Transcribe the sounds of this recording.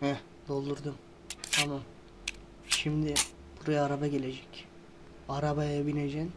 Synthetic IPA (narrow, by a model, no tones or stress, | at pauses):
hɛ | d̪o̞lˠd̪uɾd̪um | t̪ʰamam | ʃimd̪ɪ | b̥uɾajaːɾabaɡʲeled͡ʒɛcʲ | aɾabɑjbined͡ʒɛn